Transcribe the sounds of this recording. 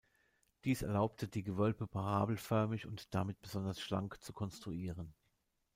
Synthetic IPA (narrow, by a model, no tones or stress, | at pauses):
d̥iːsɛɐlaʊptʰədiːɡəvœlpəpʰaʁaːbl̩fœɐmɪçʊntd̥amɪt̚b̥əzɔndɐsʃla̰ŋkt͡sukʰɔnstʁ̥uiːʁən